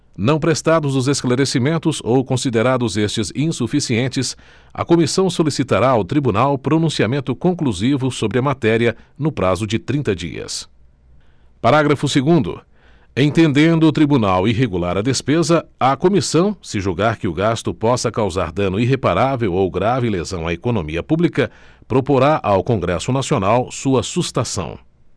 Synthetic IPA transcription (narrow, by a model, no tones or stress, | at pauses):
nɐ̃w̃pɾest̪ad̪ʊzʊzesklaɾesimẽnt̪ʊzowkõsid̪eɾad̪ʊzest͡ʃɪzĩsufisiẽnt͡ʃɪs | ɐ̰komisɐ̃w̃solisit̪aɾaʊt̪ɾibunawpɾonũsiamẽnt̪ʊkõŋkluzivʊsobɾɪɐmat̪ɛɾiɐnʊpɾazʊd͡ʒɪt̪ɾĩnt̪ɐd͡ʒḭɐ̰s | paɾaɡɾɐfʊseɡũnd̪ʊ̰ | ẽt̪ẽnd̪ẽnd̪ʊːt̪ɾibunawiɦeɡulaɾɐd̪espezɐɐkomisɐ̃w̃sɪʒuɡaɾkɪʊɡast̪ʊpɔsɐkawza̰ɾd̪ɐ̃nʊiɦepaɾavewowɡɾavɪlezɐ̃w̃a̰ekonõmiɐpublikɐ | pɾopoɾaʔawkõɡɾɛsʊnasionawsuɐsust̪asɐ̰̃w̃